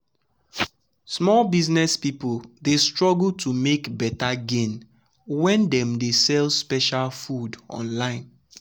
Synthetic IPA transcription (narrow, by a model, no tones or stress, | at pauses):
smɔlbiznɛspipldestɹɔɡul̩tʰumekbɛtaɡẽn | wɛ̃ndɛ̃mdesɛlspɛʃalfudɔ̰̃nlãɪ̃n